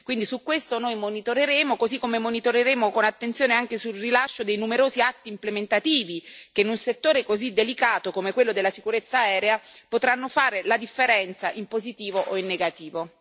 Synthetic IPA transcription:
kwind̪isukwest̪onojmonit̪oɾeɾeːmokozikːomemonit̪oɾeɾeːmokonat̪ːent̪sjoːneaŋkesulrilaʃːod̪ejnumeɾoːziat̪ːiːmplement̪at̪iːvik̟enunset̪ːoːɾekozid̪ːelikaːt̪okomekwelːod̪elːasikuɾet̪sːaɛːɾeapot̪ɾanːofaːɾelad̪ifːeɾɛnt̪saʔimpozit̪iːvoʔoinːeɡat̪iːvo

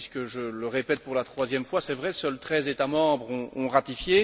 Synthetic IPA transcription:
iskəʒələʁepɛt̪̚puʁlat̪χwazjɛmfwasɛvʁɛsœlt̪χɛzet̪amɑ̃bʁɔ̃ɔ̃ʁat̪ifje

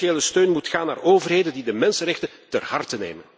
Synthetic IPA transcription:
eːləstøːnmutxaːnːaːroːvərɦeːdəndidəmɛnsənrɛxtətərhɑrtənḛːmən

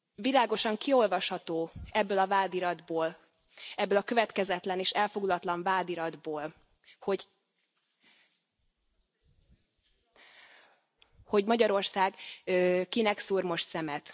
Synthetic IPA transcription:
vilaːɡo̞ʃɒŋkio̞lvɒʃhɒt̪oːɛbːøːlɒvaːd̪iɾɒd̪boːl | ɛbːøːlɒkøvɛt̪kɛzɛt̪lɛneːʃɛlfo̞ɡlɒt̪lɒɱvaːd̪iɾɒd̪boːl | ho̞ɟ | ho̞ɟmɒɟɒɾo̞rsaːɡ | kinɛksuːrmo̞ʃt̪sɛmɛt̪

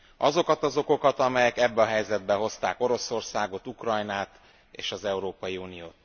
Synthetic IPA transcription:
ʔɒzo̞kɒt̪ɒzo̞ko̞kɒt̪ɒmɛjɛkɛbːɛɒɦɛjzɛd̪bɛɦo̞st̪aːko̞ɾo̞so̞rsaːɡo̞t̪ukrɒjnaːt̪ | ḛːʃɒzɛuɾoːpɒjiuːnijoːt̪

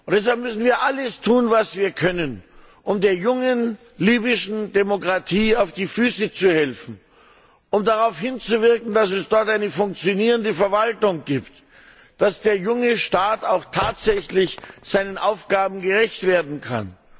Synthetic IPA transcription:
ʔʊntd̥ɛs̬halp̚mʏsn̩viːɐʔaləstʰuːnvasv̥iːɐkʰœnən | ʔʊmdeːɐjʊŋən | liːbɪʃn̩demokʁ̥atʰiːaʊfd̥iːfyːsət͡suhɛlfn̩ | ʊmdaʁaʊfhɪnt͡suvɪɐkn̩dasɛsd̥ɔɐtʔaɪnəfʊŋk̚t͡sjoniːʁəndəfɛɐvaltʊŋɡiːpt | d̥asd̥eːɐjʊŋəʃtaːtaʊxtʰaːtz̥ɛçlɪçz̥aɪnənʔaʊfɡ̥aːbm̩ɡəʁɛçtv̥eːɐdn̩kʰa̰n

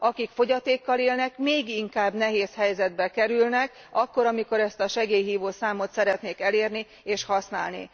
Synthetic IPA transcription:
ɒkikfo̞ɟɒt̪eːkːɒleːlnɛkmeːɡiŋkaːbnɛɦeːshɛjzɛd̪̚bɛkɛɾylnɛk | ɒkːo̞ɾɒmiko̞ɾɛst̪ɒʃɛɡeːjɦiːvoːsaːmo̞t̪sɛɾɛt̪neːkɛleːrni | eːʃhɒsn̪a̰ːlnḭ

